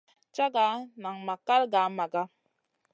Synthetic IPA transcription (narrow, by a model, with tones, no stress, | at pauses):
t͡ʃa˦ɡa˨˦na˨ŋma˨ka˦lɡa˨˦ma˨ɡa˦